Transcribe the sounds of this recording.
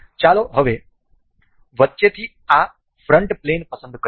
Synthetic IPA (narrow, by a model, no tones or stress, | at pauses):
t͡ʃaːloːɦɐʋeː | ʋɐt̪t͡ʃet̪i | aː | pʰɾɐɳʈpleːnpɐsɐnd̪uk